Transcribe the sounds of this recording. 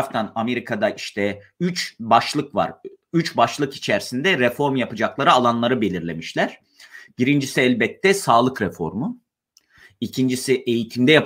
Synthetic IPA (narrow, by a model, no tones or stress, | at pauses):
ft̪ʰaname̞ɾikʰad̪aiʃt̪ʰɛyt͡ʃbaʃlˠɯkva̰ɾyt͡ʃbaʃlˠɯkit͡ʃʰæɾsind̪ɛɾɛfo̞ɾmjapɯd͡ʒaklˠaɾɯalˠanlˠaɾɯbe̞lʲiɾlʲemiʃlʲæɾ̥ | b̥iɾind͡ʒisiælʲbɛt̪ʰːɛsaːlˠɯkɾɛfo̞̰ɾmu | icʰind͡ʒisiʔe̞jit̪ʰimd̪ɛjap